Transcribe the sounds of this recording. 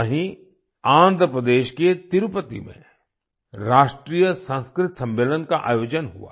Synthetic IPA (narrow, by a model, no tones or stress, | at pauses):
əɦĩ | ãːnd̪ʱɾəpɾəd̪eːʃket̪ɪɾupət̪ḭmḛ̃ | ɾaːʃʈɾiːjəsə̃ːskɾɪt̪sɐ̃mbeːlənkaʔa̰ːjoːd͡ʒənɦṵa̰ː